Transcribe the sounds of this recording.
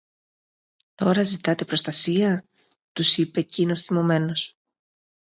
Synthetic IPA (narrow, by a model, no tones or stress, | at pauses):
t̪o̞ɾɐzit̪ɐt̪e̞pɾo̞st̪ɐsiɐ | t̪usipe̞cino̞st̪imome̞no̞s